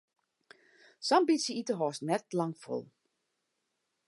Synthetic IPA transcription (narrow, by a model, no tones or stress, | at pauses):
sambitsəitəɦɔːsnɛtlɑŋfo̰lˠ